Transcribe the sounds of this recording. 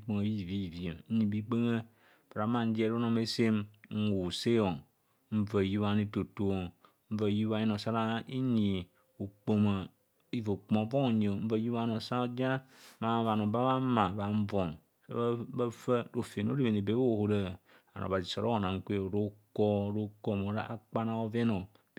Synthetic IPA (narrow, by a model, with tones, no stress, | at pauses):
i˦k͡pe˦ŋa˦i˨vi˦i˨vi˨e˨˦ɲĩ˨bi˦k͡pe˦ŋə˦ | pa˨ɾa˨˦mã˦n̩˦d͡ʒi˦ɛ˦ɾo˦nɔ̃˨me˦se˦m˦ŋ̩˦wo˨se˦o˨n | m̩˦və˨ju˦wa˦ni˨to˨to˨o˨ | m̩˦və˨ju˦a˦i˦nɔ˨sa˦ɾa˦i˦ɲi˨ | o˨k͡po˨mə˨ | i˨vo˨k͡põ˨˦vo˦˨ɲ˨o˨m̩˦va˦ju˦a˦no˨sa˦d͡ʒa˦ma˦βa˨no˨ba˦βa˦mã˨βa˨ɱ̩˦vɔ˨ŋ | so̰˦ba˦fə˦ɾo˨fe˨n˦o˦ɾi˦e˨ni˨be˨˦o˦˨ho˨ɾə˦˨ | a̰˨nʔo̰˨βa˨zi˨so˨ɾo˦o˨na˨ŋ̩˦kʷe˦o˨ɾo˦kɔ˦˨ɾo˦ko˦˨mo˨ɾa˦a˦k͡pa˦na˦o˦ve˦no˨